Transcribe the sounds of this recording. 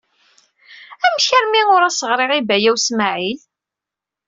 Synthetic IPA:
æmçəɾmiʊɾæsəʁɾɪʁibæjæwsmaʕil

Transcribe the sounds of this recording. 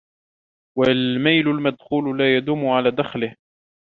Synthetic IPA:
walmajlʊlmad̪xuːlʊlaːjad̪ʊːmːʊʕalaːd̪axlɪh

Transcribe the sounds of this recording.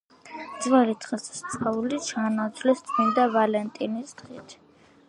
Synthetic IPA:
d̪zvɛlit̪ʰχɛsst̪sʼaulit͡ʃʰanat̪sʰvlɛst̪sʼmind̪avalɛnt̪ʼinisd̪ʁḭt̪ʰ

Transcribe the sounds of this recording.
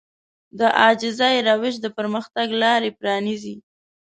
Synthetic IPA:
d̪əʔɑd͡ʒɪzajɾawɪʃd̪əpəɾməxt̪aɡlɑɾepɾɑnizi

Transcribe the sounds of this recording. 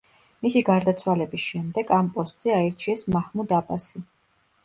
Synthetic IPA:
misiɡaɾd̪at̪sʰwalɛbisʃɛmd̪ɛɡampʼɔst̪ʼz̥ɛaɛɾt͡ʃʰiɛsmaχmud̪abʼasi

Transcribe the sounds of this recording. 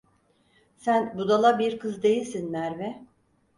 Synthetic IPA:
sænbud̪alˠabiɾkʰɯzd̪e̞jilʲsinmæɾvɛ

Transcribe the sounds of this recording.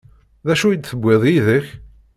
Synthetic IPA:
ðæʃujəd̪θəbʷːeðˤjiðəç

